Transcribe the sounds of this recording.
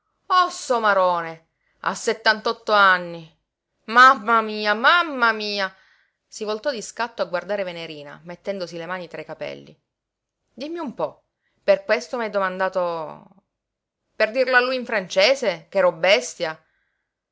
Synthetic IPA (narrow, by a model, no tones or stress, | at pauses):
ɔsːɔmaɾɔːne | a̰sːet̪ːant̪ɔt̪ːoanːi | mamːamiːamamːamiːa | sivolt̪ɔd̪iskat̪ːoaɡward̪aːɾeveneɾiːna̰met̪ːɛnd̪osilemaːnit̪ɾajkapɛ̰lːḭ | d̪imːiumpɔ | perkwest̪omiajd̪omand̪aːt̪o | perd̪irlalːujiɱfɾant͡ʃeːsekɛːɾɔbːɛst̪ja